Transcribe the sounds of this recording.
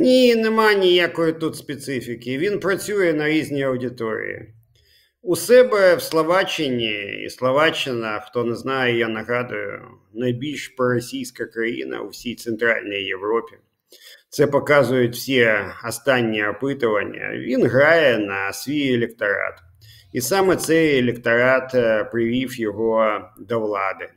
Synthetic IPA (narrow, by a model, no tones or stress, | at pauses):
nʲinɪmanʲijakɔjɪt̪ut̪spʲet̪sɪfʲɪkʲɪʋʲinpɾɐt͡sʲujɛnɐɾʲizʲnʲijɐwdʲɪt̪oɾʲɪ̰ḭɪ̰ | ʊsɛbɛwslˠɐʋat͡ʃɪnʲiḭslˠɐʋat͡ʃːɪnɐxt̪onɛznajɛjanɐɣad̪ʊjʊ̰ | nɐjbʲilʲʃpɾɔɾɐsʲijsʲkɐkɾɐjḭnɐ̰ʊ̰wsʲijt̪sɛnt̪ɾa̰lʲnijːeʋɾɔpʲi | t̪sɛpɐkazʊjʊtʲwsʲiɐst̪anʲːiɐpɪt̪ʊʋɐnʲːɐ̰ʋʲinɣɾajɛnɐsʲʋʲijelʲekt̪ɐɾa̰t̪ | isamɛt̪sɛjelʲɪkt̪ɐɾat̪pɾɪʋʲifjɔɦɔd̪ɐʋlˠɑd̪ɪ